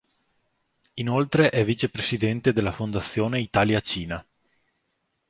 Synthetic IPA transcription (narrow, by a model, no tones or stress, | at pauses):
inolt̪ɾeʔɛvːit͡ʃepɾesid̪ɛnt̪ed̪elːafond̪at̪sːjoːneit̪aːljat͡ʃiːna